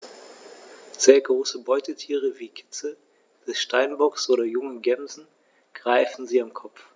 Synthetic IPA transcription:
z̥eːɐɡʁoːsəbɔʏtətʰiːʁəviːkʰɪ̥t͡sə | d̥ɛsʃtaɪnbɔksʔoːɾɐjʊŋəɡɛmzn̩ | ɡ̥ʁaɪfn̩ziːamkʰɔpp͡ff

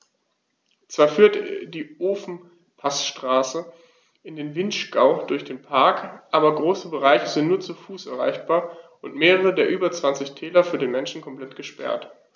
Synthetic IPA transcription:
t͡sv̥aːɐfyːɐtd̥iːʔoːfn̩ | pʰasʃtʁ̥aːsə | ʔɪndeːnvɪntʃɡaʊd̥ʊɐçd̥eːnpʰaɐkʔaːbɐɡʁoːsəbəʁaɪçəzɪntnuːɐt͡sufuːsʔɛɐʁa̰ɪçb̥aːɐ | ʊntmeːʁəʁədeːɐʔyːbɐt͡sv̥ant͡sɪçtʰɛːlɐfyːɐdeːnmɛnʃn̩kʰɔmpl̥ɛtɡ̥əʃpɛ̰ɐt

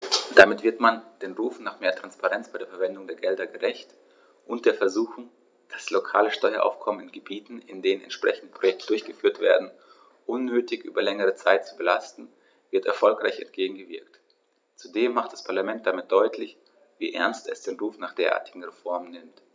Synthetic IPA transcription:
d̥amɪtv̥ɪɐtmand̥eːnʁuːfnaːχmeːɐtʁ̥anspaʁɛnt͡sb̥aɪdeːɐfɛɐvɛndʊŋdeːɐɡɛldɐɡəʁɛçt | ʔʊnt̚d̥eːɐfɛɐzuːxʊŋ | d̥aslokʰa̰ːləʃtɔʏɐʔa̰ʊfkʰɔmənɪnɡəbiːtn̩ɪndeːnənʔɛ̰ntʃpʁ̥ɛçn̩dəpʰʁ̥ojɛk̚tədʊɐçɡ̥əfyːɐtv̥ḛːɐdn̩ | ʔʊnːøːtɪçʔy̰ːbɐlɛŋəʁ̞ət͡saɪtt͡subəlastn̩ | vɪɐtɛ̰ɐfɔlkʁaɪçɛ̰ntɡ̥eːɡŋ̩ɡəvɪɐkt | t͡sudeːmːaχt̚d̥aspʰaɐlamɛnt̚d̥amɪt̚d̥ɔʏtʰlɪç | vḭːʔɛ̰ɐnstɛsd̥eːnʁuːfnaːχd̥eːɐʔa̰ːɐtɪɡŋ̩ʁefɔɐmənːɪmt

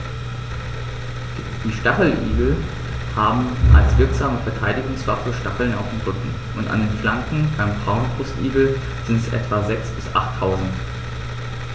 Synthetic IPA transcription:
d̥iːʃtaχl̩ʔḭːɡl̩ | haːbm̩ʔa̰lsv̥ɪɐkz̥aːməfɛɐtʰaɪdɪɡʊŋsv̥afəʃtaχl̩na̰ʊfd̥enʁʏkŋ̩ | ʔʊnta̰ndeːnflaŋkŋ̩baɪmbʁaʊnbʁʊstʔḭːɡl̩ | z̥ɪntəsʔɛ̰tv̥azɛksb̥ɪsʔa̰χtʰːaʊzn̩t

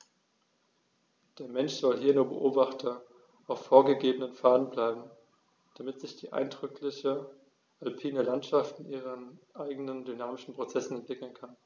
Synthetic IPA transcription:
d̥eːɐmɛnʃz̥ɔlɦiːɐnuːɐbə̰ʔoːbaχtʰɐ | ʔaʊfːoːɐɡəɡeːbənənfaːdn̩blaɪbm̩ | d̥amɪtz̥ɪçd̥iːʔa̰ɪndʁʏklɪçə | ʔalpʰiːnəlantʃaftɪnʔiːʁənʔaɪɡənəndynaːmɪʃn̩pʁ̥ot͡sɛsn̩ɛntv̥ɪkl̩nkʰan

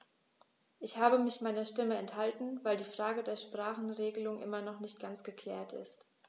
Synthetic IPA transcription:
ʔɪçhaːbəmɪçmaɪnɐʃtɪməɛnthaltn̩vaɪldiːfʁ̥aːɡədeːɐʃpʁ̥aːχn̩ʁeːɡəlʊŋʔɪ̰mɐnɔχnɪçt̚ɡ̥ant͡sɡ̥əkʰl̥ɛːɐtɪ̰st

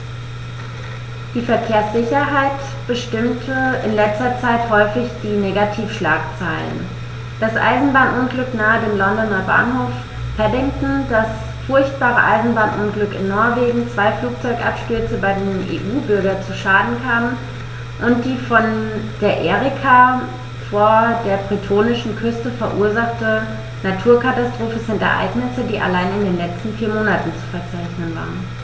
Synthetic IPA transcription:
d̥iːfɛɐkʰeːɐsz̥ɪçɐɦaɪt | b̥əʃtɪmtʰəɪnlɛt͡stɐt͡saɪthɔʏfɪçd̥iːneːɡatʰiːfʃlaːkt͡saɪllə̰n | d̥asʔa̰ɪzn̩baːnʔʊnɡlʏknaːədeːmlɔndɔnɐba̰ːnhoːf | pɛdɪŋtn̩das | fʊɐçt̚b̥aːʁə̰ʔaɪzn̩baːnʔʊnɡlʏkɪnːɔɐveːɡŋ̩t͡sv̥aɪfluːk̚t͡sɔʏkʔa̰pʃtʏɐt͡səbaɪdeːnʔḛːʔuːbʏɐɡɐt͡suʃaːdn̩kʰaːmən | ʔʊnt̚d̥iːfɔnd̥eːɐʔeːʁɪkʰa | foːɐdeːɐbʁitʰoːnɪʃn̩kʰʏstəfɛɐʔuːɐzaχtə | natʰuːɐkʰatastʁ̥oːfən̩zɪntɛ̰ɐʔa̰ɪɡnɪsədiːʔa̰laɪnɪndeːnlɛt͡stn̩fiːɐmoːnatn̩t͡su̥fɛɐt͡saɪçnənva̰ːʁən

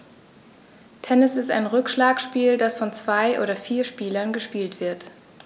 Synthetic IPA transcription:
tʰɛnɪsɪsta̰ɪnʁʏkʃlaːkʃpiːldasfɔnt͡sv̥aɪʔo̰ːɾɐfiːɐʃpiːlɐnɡəʃpiːltv̥ɪɐt

